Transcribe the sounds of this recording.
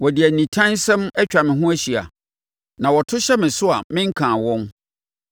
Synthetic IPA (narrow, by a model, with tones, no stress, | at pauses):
wɔ˨di˨æ˨nĩ˨tʰã˦n˦sɛ̃˦mɛ˦t͡ɕᶣa˨mɪ̃˨ɦʊ̃˦æ˦ɕi˨a̰˨ | nã˨wɔ˨tʰʊ˦ɕɛ˦mɪ̃˨sʊ˦a˨mɪ̃˦ŋ̩˦kʰãː˨wɔ̃˦n